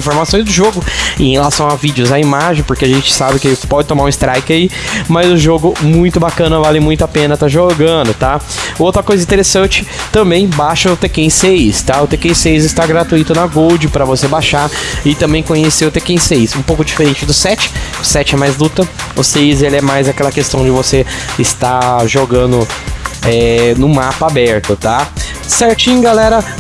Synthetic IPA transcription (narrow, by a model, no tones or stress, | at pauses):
ĩfoɾmasõj̃zd̪ʊʒoɡʊẽhelasɐ̃w̃avid͡ʒɪʊzaimaʒẽj̃poɾkeaʒẽnt͡ʃɪ̥sabɪkɪpɔd͡ʒɪt̪õmaɾũɪst̪ɾajkɪaimɐzʊʒoɡʊmũj̃t̪ʊbakɐ̃nɐvalɪmũj̃t̪ʊapẽnɐt̪aʒoɡɐ̃nd̪ʊt̪aowt̪ɾɐkojzɐĩt̪eɾesɐ̃nt͡ʃɪ̥t̪ɐ̃mbẽj̃baʃɐʊt̪ekẽj̃sejst̪aʊt̪ekẽj̃sejzɪst̪aɡɾat̪uit̪ʊnɐɡowd͡ʒɪpɾɐvosebaʃaɪt̪ɐ̃mbẽj̃kõɲeseʊt̪ekẽj̃seisũpowkʊd͡ʒifeɾẽt͡ʃɪd̪ʊsɛt͡ʃɪ̥ | ʊsɛt͡ʃɪɛmajzlut̪ɐʊseizelɪɛmajzakɛlɐkest̪ɐ̃w̃d͡ʒɪvoseɪst̪aʒoɡɐ̃nd̪ʊ | ɛnʊ̃mapɐabɛɾt̪ʊt̪a | sɛɾt͡ʃĩɲʊɡalɛɾɐ